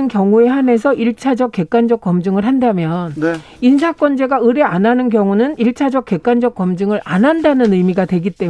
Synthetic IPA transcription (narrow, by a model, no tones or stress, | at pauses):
nkjʌŋue̞ɦane̞s̬ʰʌʔiɭt͡ɕʰad͡ʑʌk̚k͈e̞k͈̚and͡ʑʌk͈ʌmd͡ʑɯŋɯɭɦandamjʌn | insʰak͈wʌnd͡ʑe̞ɡaɯɾe̞anɦanɯnkjʌŋunɯniɭt͡ɕʰad͡ʑʌk̚k͈e̞k͈and͡ʑʌk͈̚ʌmd͡ʑɯŋɯɾanɦandanɯnɯmiɡadwe̞ɡit͈e̞